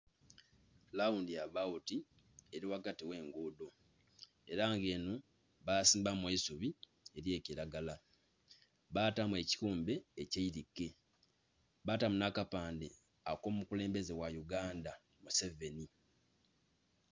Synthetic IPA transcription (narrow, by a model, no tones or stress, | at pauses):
laundijaβauti | e̞ɾiwakatiwe̞ːŋɡuːdo̞ | e̞ɾaːŋɡe̞ːnu | βaːsiːmbamwe̞ːsuβi | e̞ɾje̞ːciɾaɡala | βaːtamwe̞ci̥kuːmbe̞ːceiɾikːe | βatamunakapaːnde | akoːmmukule̞ːmbe̞ze̞wajuɡaːnda | muse̞ve̞ni